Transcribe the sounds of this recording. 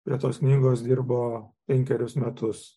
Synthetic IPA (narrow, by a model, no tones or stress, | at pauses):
pʲɾʲiɛt̪oːsknʲiːɡoːs̬d̪ʲiɾboːpʲɛŋʲkʲɛɾʲʊsmʲɛt̪ʊs